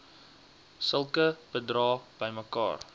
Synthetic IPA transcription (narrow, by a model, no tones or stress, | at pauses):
səlˠkəb̥ədrɑːb̥əjməkɑ̰ːr